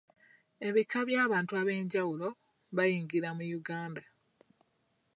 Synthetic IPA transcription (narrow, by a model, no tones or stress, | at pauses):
e̞βikːaβjaːβaːntuaβe̞ːɲɟawulo̞ | βajiːŋɡiɾamujuɡaːnda